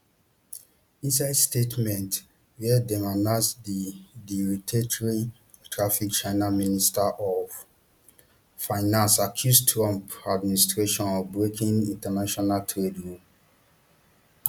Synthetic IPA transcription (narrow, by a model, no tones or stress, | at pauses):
ĩnsaɪdstetmɛ̃nt | wɛdɛmanãsdidiɹitʰetɔɹi | tʰɹafik̚t͡ʃaɪnaministaʔɔf | faɪnãnsakʰjustʰɹɔ̃mpad̚ministɹeʃɔ̃nɔvbɹekʰĩŋĩntɛnaʃɔnaltʰɹedɹup